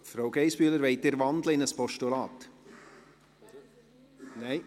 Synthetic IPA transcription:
fɾoʊɡ̥eɪsb̥yːləɾʋeɪt̚deɾʋɑnd̥̪l̩ɪnəspɔʃtulɑːt̪ | nɛɪ

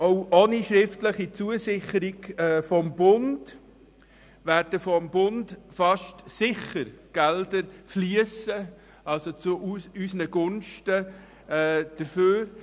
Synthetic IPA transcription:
ɔwʔoniʃɾɪftləχit͡suəsɪχəɾiɡɛːfɔmbʊnd | ʋæːɾd̥əfɔmbʊndfɑʃtsɪχəɾɡ̥ɛldəɾfliəsə | ɑlsot͡suʔysənəɡʊnʃtə | ɛːd̥əɾføːɾ

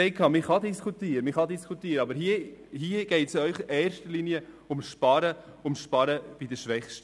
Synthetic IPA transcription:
ɛɪkʰɑːmɪχɑdiskʰutiːɾəmɪχɑd̪iskʰutiːɾəɑbəɾɦiəhiəɡ̥ɛɪtsœʏχʔeːɾʃtəliniə | ʊmʃpɑɾəʊmʃpɑɾəb̥idəʃʋɛχʃt

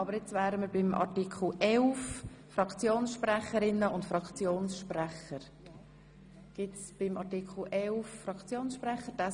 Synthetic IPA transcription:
ɑbəɾjɛt͡svæːɾəməɾbɪmʔɑ̰ɾtikʰl̩ʔɛlf | fɾɑkʰt͡sjoːnsʃpræχəɾɪnːəʊntfɾɑkχt͡sjoːnsʃpræχəɾ | ɡ̥ɪtsb̥ɪmɑɾtikʰl̩ʔɛlfːɾɑkt͡sjoːnsʃpræχəd̥a

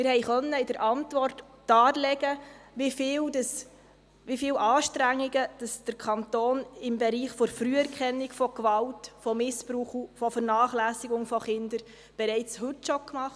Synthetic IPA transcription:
mɪɾhɛjχœnːəɪdəɾʔɑntʋɔrt | d̥ɑːɾlɛɡ̥əʋifɪːwdɑs | ʋifɪːwʔɑːʃtɾæŋːiɡəd̥ɑsd̥əɾkʰɑntoːnɪmbɛɾiːχfɔɾfɾyəɛɾkχɛnːikfɔkʋɑltfɔmɪspɾuːχufɔfəɾnɑːχlæːsiɡʊŋfɔχɪnd̪əɾ | b̥ɛɾɛɪt͡shɵtʃɔkmɑχt

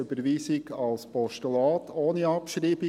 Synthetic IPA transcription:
øbəɾʋiːsɪɡɑlspɔʃtulɑːt̪ʰoːniɑpʃɾiːbɪ

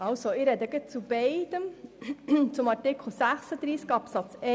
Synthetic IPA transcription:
ɑlsoɪɾɛd̪əɡət͡sub̥ɛɪd̪̥əm | t͡sʊmɑɾtɪkʰl̩ˠsæχsəd̪ɾiːskɑpsɑt͡sɛ

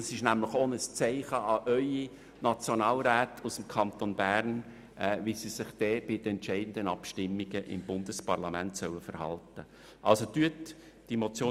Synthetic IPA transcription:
sɪʃnæmlɪχonəst͡sæɪχəɑʔœʏi | nɑt͡sjonɑːlɾæːt̪ʰusəmkʰɑnt̪onbæːɾn | visisɪχd̥ɛːb̥ɪd̥̪əɛntt͡ʃæɪd̥ən̩d̪ənɑpʃtɪmːiɡəʔɪ̰mbʊnd̪əspɑɾlɑmæntsœwəfəɾhɑ̰ltə | ʔɑ̰lsot̪yət | d̥imot͡sjoː

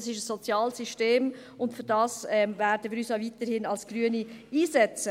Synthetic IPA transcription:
sɪʃəsːɔt͡sjɑːlsyʃteːm | ʊndfyɾd̥ɑːsɛmvæːɾdəʋiːɾyːsaʊvitəɾhɪnɑlsɡ̥ɾyəniiːsɛt͡sə

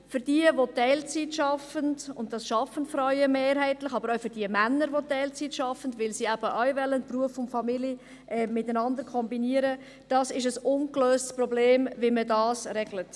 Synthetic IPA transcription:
fʏɾd̥iəʋotɛɪlt͡sitʃɑfəndʊnt̚d̥ɑsʃɑfənfɾœʏəmeːɾɦɛɪtlɪχɑbəɾoʊfʏɾd̥iəmænːəɾʋotɛɪlt͡siːtʃɑfəndʋɪlsiæb̥əʔœɥvɛlːənpruəfʊntfɑmilə | ʔɛmɪtænɑndəɾkʰɔmbiniəɾə | d̥ɑːsɪʃəsʊnkløːstsprɔbleːmviɪmədɑːsɾɛɡlət

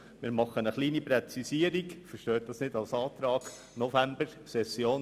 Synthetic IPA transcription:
mɪːɾmɑχənəχliːnipɾɛt͡sisiːəɾiɡfəɾʃtœːt̚d̥ɑsnɪdɑlsɑːt̪ɾɑːɡ̥ | nɔfæmbəɾ | sɛsjoːn

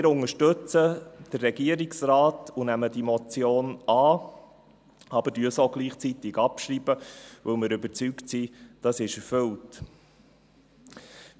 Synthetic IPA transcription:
mɪɾʊŋəʃtɵt͡səd̥ərːɛɡiəɾɪksraːtunæmədimɔt͡sjoːnɑː | ɑb̥əd̥yːəsoɡliːχt͡sit̪ɪɡɑpʃɾiːb̥əvɵlmɪːɾʉbəɾt͡syktsid̥ɑsɪʃɛɾfɵlt

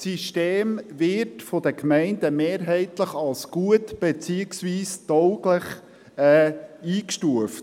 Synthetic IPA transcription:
siʃteːmvɪɾtfɔdəkmɛɪndəmeːɾɦɛɪtləχɑlsɡ̥uətb̥et͡siːəksviːstɔʊɡləχ | ɛːiːkʃtuəft

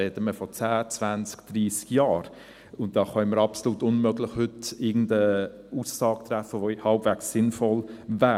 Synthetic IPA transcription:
ɛtəməfɔt͡sæːt͡svænskd̥riːskjɑːɾ | ʊnt̚d̥ɑːχɑɪməɾɑpsoluːtʊnmøɡlɪχhʏtɪɡn̩də | uːsːɑːk̚t̪ræfəvohɑlpvɛksːɪnfɔlvæː

